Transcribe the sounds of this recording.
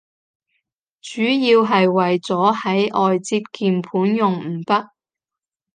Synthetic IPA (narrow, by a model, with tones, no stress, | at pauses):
t͡ʃyː˨˥jiː˧wɦɐ˨jwɐ˨jt͡sɔː˨˥hɐ˨˥jʔɔː˨jt͡siː˧p̚kiː˨mpʰuː˨˥njʊ˨ŋm̩˨˩pɐ˥t̚